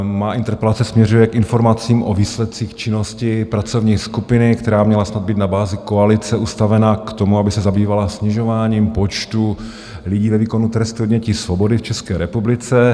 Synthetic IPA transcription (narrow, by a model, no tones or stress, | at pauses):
maːʔɪnt̪ɛɾpɛlat͡sɛsmɲɛrujɛkʔɪnfo̞ɾmat͡siːmʔoviːslɛt̪̚t͡siːxt͡ʃɪno̞scɪpɾat͡sovɲiːskupɪnɪkt̪ɛɾaːmɲɛlasnad̪̚biːt̪nabaːzɪkoalɪt͡sɛʔust̪avɛnakt̪o̞muabɪsɛzabiːvalasɲɪʒo̞vaːɲiːmpot͡ʃt̪u | lɪɟiːvɛviːko̞nut̪ɾɛst̪uod̪ɲɛciːsvobo̞dɪft͡ʃɛskɛːɾɛpublɪt͡sɛ